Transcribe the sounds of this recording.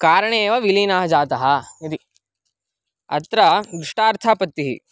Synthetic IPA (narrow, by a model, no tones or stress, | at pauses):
kaːɾɐɳeːʋɐʋiliːnaːɦɐd͡ʒaːt̪ɐɦɐid̪i | ɐ̰t̪ɾɐɡɾiʂʈaːɾt̪ʰaːpɐt̪ːiɦḭ